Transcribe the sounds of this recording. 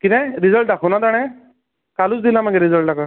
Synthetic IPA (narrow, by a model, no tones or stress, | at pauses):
kitɛɾizəlʈakʰɔnad̪aɽ̃ɛ | kalusd̪ilãmakɛɾizəlʈakʰa